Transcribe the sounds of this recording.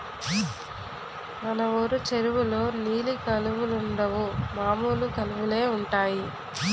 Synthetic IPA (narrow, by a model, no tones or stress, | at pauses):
mɐnɐʋoɾut͡ʃeɾuʋuloːniːlikɐluʋuluɳɖɐʋumaːmuːlukɐluʋule̞ːuɳʈaːji